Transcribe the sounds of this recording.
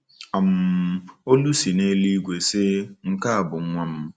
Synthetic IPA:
a˨m̩˨˦o˦lu˦si˨ne˦li˦ɡʷe˨sɪ˦ŋ̩˦ka˦a˨bʊ˨˦ŋʷa˦m̩˦

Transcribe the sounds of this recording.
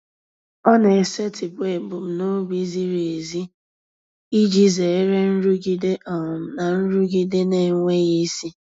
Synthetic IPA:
ɔ˦ne˨e˨se˦tɪ˨be˨bʊ˨m̩˨no˦bi˦zi˦ɾe˨zi˦ | i˦d͡ʒi˦ze˨e˦ɾe˦n̩˦ɾu˦ɡi˦de˦ʔɔ˨m̩˨na˨n̩˦ɾu˦ɡi˦de˦ne˨ŋʷe˦ɣi˦si˦

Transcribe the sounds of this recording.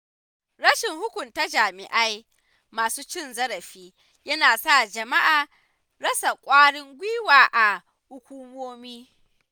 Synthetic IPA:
ɽɐ˦ʃɪ˨ŋhʊ˦kʷʊ˨nta˦d͡ʒaː˨mɪ˨ʔa˦j | maː˨suː˦t͡ʃɪ˦˨nzɐ˦ɾɐ˨ɸiː˦ | jɐ˦naː˨sa˦˨d͡ʒɐ˨ma˦ʔaː˨ | ɽɐ˦sa˨kʷʼaː˦ɽɪ˦ŋɡʷiː˦waː˨ʔa˨ | hʊ˦kʷuː˦moː˦miː˦

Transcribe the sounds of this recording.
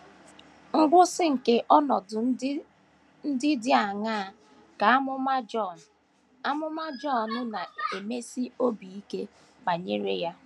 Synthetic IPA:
ŋ̩˦ɡʷʊ˦sɪ˦ŋ̩˨ke˦ʔɔ˦nɔ˨dʊ˨˦ | n̩˦dɪ˦dɪ˦a˨ŋa˦˨ | ka˨a˦mʊ˦ma˦d͡ʒɔ˦˨n̩˨ | a˦mʊ˦ma˦d͡ʒɔ˦nʊ˦na˨e˨me˦si˦o˦bi˨i˦ke˦ | ba˨ɲḛ˦ɾe˦ja˦

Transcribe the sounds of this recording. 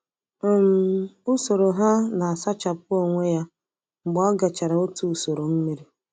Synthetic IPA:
m̩˨u˦so˨ɾo˨ɦa˦na˨a˨sa˦t͡ʃa˨p̚ʊ˦o˨ŋʷe˦ja˦ | ŋ͡m̩˨ɡ͡bɔ˦ɡa˨t͡ʃa˨ɾa˨o˦tu˦u˨so˨ɾo˨m̩˦mi˦ɾi˦

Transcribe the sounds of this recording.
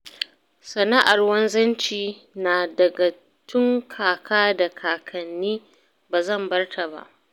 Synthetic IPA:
sɐ˨na˦ʔa˨rwɐ˦nzɐ˦nt͡ʃiː˨naː˨dɐ˨ɡa˨ | tʊ˦ŋkʰaː˨kʰaː˦da˨kʰaː˨kʰɐ˨nːiː˦ | baː˨zɐ˦˨mbɐ˦rtʰa˨ba̰˦ʔ

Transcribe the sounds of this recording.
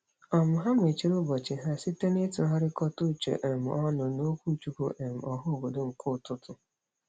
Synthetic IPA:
ɔ˨mʊ˨ɦa˦m˦e˨t͡ʃi˦ɾʊ˦bɔ˨t͡ʃɪ˨ɦa˦si˦te˦ne˦ti˨˦ɦɔ˦ɾɪ˦kɔ˦tu˦˨t͡ʃḛ˨ʔe˨m̩˨ɔ˦nʊ˨no˦kʷu˦˨t͡ʃu˦ko˦ʔe˨m̩˨ɔ˨ɦʊ˦˨bo˨do˦ŋ̩˨kʊ˦˨tʊ˦tʊ˨

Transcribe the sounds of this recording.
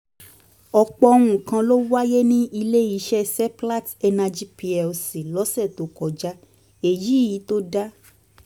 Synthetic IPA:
ɔ˧k͡pɔ˧o˧w̃ũ˨kã˧lo˦wa˦je˦nĩ˦i˧le˦i˨˦ʃɛ˦sɛ˦pla˦tɛ˧na˧d͡ʒi˦pi˧ɛ˨si˨lɔ˨˦sɛ˦˨to˨˦kɔ˨d͡ʒa˦ | e˨ji˨˦˨ji˨˦to˦da˦

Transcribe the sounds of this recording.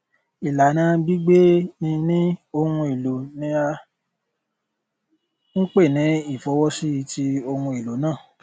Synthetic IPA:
i˨la˨˦nã˨˧˦bi˦ɡ͡be˦nĩ˧nĩ˦o˧hũ˧e˨lo˨nĩ˧a˧ | ŋ̩˦k͡pe˦˨nĩ˨˦i˦˨fɔ˨˦wɔ˦si˦i˧˦ti˦o˧hũ˧e˨lo˨˦nãː˦˨

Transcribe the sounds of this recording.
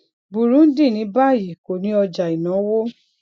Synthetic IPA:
bu˨ɾũ˨˦n̩˦dĩ˦˨nĩ˨˦ba˦˨ji˨ko˨nĩ˨˦ɔ˧d͡ʒa˨i˨nã˨˦wo˦

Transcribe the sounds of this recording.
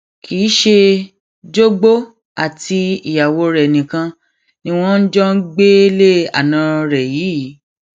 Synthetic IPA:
kʰi˨˦ʃe˧ | d͡ʒo˦ɡ͡bo˦ | a˦˨ti˧i˨ja˨wo˧ɾɛ˨nĩ˨kã˧ | nĩ˦w̃ɔ̃˦n̩˦d͡ʒɔ˦n̩˦ɡ͡be˦le˦a̰˨nã˨˦ɾɛ˨jiː˨˦˨

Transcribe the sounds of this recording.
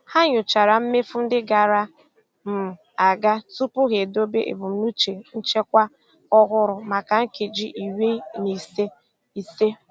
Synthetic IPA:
ha˦ɲʊ˨t͡ʃa˨ɾa˨m̩˦me˦fʊ˦n̩˦dɪ˦ɡa˨ɾa˦ | m̩˨ | a˨ɡa˦tu˦pʊ˦ɣe˨do˦be˦ʔḛ˨bʊ˨m̩˨˦nu˦t͡ʃe˨n̩˦t͡ʃe˦kʷa˦ | ɔ˦ɣʊ˦ɾʊ˨ma˨ka˨ŋ̩˦ke˨d͡ʒi˦ʔi˨we˦ni˨se˦ | i˨se˦

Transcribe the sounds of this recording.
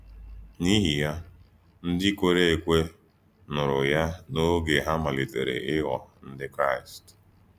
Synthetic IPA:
ni˦ɦi˨ja˦ | n̩˦dɪ˦kʷo˦ɾe˦e˨kʷe˦ | nʊ˨ɾʊ˨ja˦no˦ɡe˨ɦa˦ma˨li˨te˨ɾḛ˨ʔɪ˦ɣɔ˨n̩˦dɪ˦kɾa˦˨ɪ˨st

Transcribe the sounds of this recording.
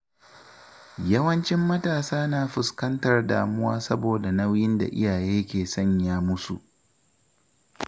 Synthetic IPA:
jɐ˦wɐ˦nt͡ʃɪ˦mːɐ˦taː˨saː˦naː˨ɸʊ˨skɐ˦ntɐ˨rda̰ː˨mʊ˦waː˦sɐ˦boː˨da˨nɐ˦wjɪ˦nda̰˨ʔɪ̰˦jaː˨jeː˦kʲeː˨sɐ˦˨ɲjaː˦mʊ˦su˨ʔ

